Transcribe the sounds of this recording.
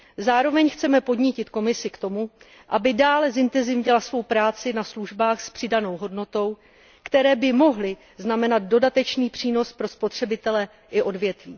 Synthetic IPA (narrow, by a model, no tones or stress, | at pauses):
zaːɾo̞vɛɲxt͡sɛmɛpo̞dɲɪcɪt̪ko̞mɪsɪkt̪o̞mu | ʔabɪdaːlɛzɪnt̪ɛnzɪvɲɪlasvo̞wpɾaːt͡sɪnasluʒbaːxspr̥ɪdano̞wɦo̞dno̞t̪o̞w | kt̪ɛɾɛːbɪmo̞ɦlɪ | znamɛnad̪̚do̞dat̪ɛt͡ʃniːpr̝̥iːno̞spɾo̞spo̞t̪r̝̥ɛbɪt̪ɛlɛ | ʔɪʔo̞dvjɛt̪viː